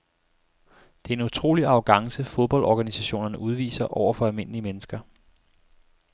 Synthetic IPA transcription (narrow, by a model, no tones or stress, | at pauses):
d̥e̝æe̝nut͡sʰʁo̝̰ːliɑ̈ʊɡ̥ɑ̈ŋsəfoðˠb̥ɒ̽ld̥ɒːɡ̥ænisæɕo̝̰ːnɐnəʔuð̞ˠʋḭːsɐʔɒʊ̰ɐfɒ̽ælˠme̝n̰əliəmenəsɡ̥ɐ